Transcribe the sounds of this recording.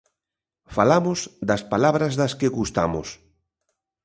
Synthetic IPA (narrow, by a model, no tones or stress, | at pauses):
falamʊzd̪ɐspalaβɾɐzðɐskeɣust̪a̰mo̰s